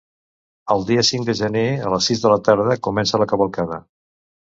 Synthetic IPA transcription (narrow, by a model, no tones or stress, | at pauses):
əlˠd̪iəsiŋd̪əʒəneələsizðələt̪aɾð̞əkumɛnsələkəβəlˠkaðə